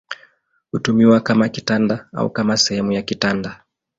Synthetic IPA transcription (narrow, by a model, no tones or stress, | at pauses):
hutumiwakamakitandaa̰ṵkamasɛhɛmujakitanda